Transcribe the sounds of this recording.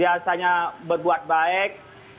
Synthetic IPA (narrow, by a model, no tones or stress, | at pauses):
iasaɲabərbuat̪̚baɛk̚